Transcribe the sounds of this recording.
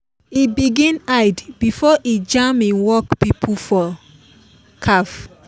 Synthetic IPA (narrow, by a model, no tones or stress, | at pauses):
ibiɡĩnajdbifɔʔid͡ʒamĩnwɔkpipʰufɔ | kʰaf